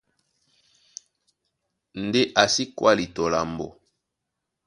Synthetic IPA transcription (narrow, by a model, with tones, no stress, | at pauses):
n˨de˦ʔa˨si˦kwa˦li˨to˨la˨mbo˨